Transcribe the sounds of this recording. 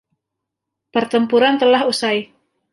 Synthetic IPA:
pərt̪əmpuɾant̪əlahusaj

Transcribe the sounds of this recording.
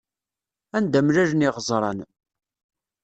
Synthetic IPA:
ænd̪æmɾæɾniʁəzˤɾˤɑn

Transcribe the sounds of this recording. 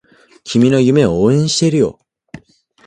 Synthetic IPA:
kʲʰimʲino̞jɯ̟me̞ooːẽɰ̃ɕi̥t̪e̞ɾɯ̟jo̞̰

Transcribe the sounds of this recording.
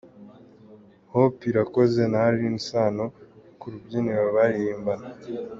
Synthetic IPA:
hopiɾakoze̞naɾiinisaːnokuɾubɟineɾoβaɾijiːmbana

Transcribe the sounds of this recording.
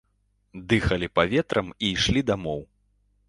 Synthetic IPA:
d̪ɨxɐlʲipavʲɛt̪ɾɐmiːʂlʲid̪amɔw

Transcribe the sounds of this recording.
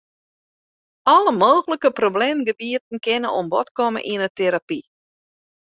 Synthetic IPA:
ɔləmoːɣələkəprobleːmɡəbiətən̩kɪnəʔombɔtkɔmə̰ʔiənəteɾapi

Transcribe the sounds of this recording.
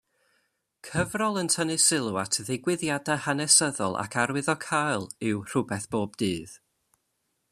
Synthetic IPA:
kʰəvrɔlˠəntʰənɨsɪlˠuatʰðɪɡwɪðjadahanɛsəðɔ̰lˠʔa̰kʰaɾwɨðɔkʰajlˠɪwr̥ʊbɛθb̥oːb̚d̥ɨːð

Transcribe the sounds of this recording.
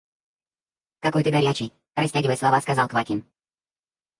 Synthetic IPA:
kakɔjt̪ɪbɛɾʲjat͡ʃi | ɾɛsʲtʲaɟʲvɛslˠavaskazalˠkvatʲin

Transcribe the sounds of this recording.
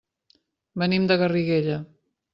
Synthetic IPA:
bənimd̪əɣəriɣeʎə

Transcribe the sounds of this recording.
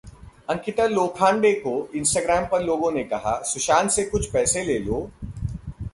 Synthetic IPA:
ɐ̃ŋkɪt̪əloːkʰãːɳɖekoɪ̃nsʈaːɡɾaːmpɐɾloːɡõnekɐɦa̰sʊʃaːnsekʊt͡ʃʰpɛːseleːloː

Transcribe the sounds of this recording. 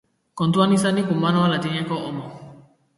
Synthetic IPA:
kɔ̃ntuanisanĩkumanɔalatiɲɛ̃kɔʔɔmɔ

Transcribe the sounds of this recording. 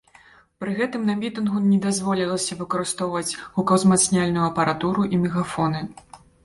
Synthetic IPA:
pɾɨɣɛt̪ɨmnɐmʲit̪ɨnɣunʲɛd̪azvɔlʲilˠɐsʲɐvɨkɐɾɨst̪ɔwvɐt͡sʲɣukɐwzmat̪snʲalʲnujuɐpɐɾʔat̪uɾuʔimʲɛɣafɔnɨ

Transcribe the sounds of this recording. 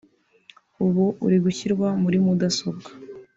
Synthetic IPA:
uβuṵɾiɡuçiɾɡwamuɾimudasobɡḁ

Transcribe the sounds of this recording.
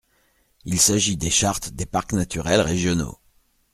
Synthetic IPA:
ilsaʒid̪eʃaʁt̪d̪epaʁknat̪yʁɛlʁeʒjɔno̰

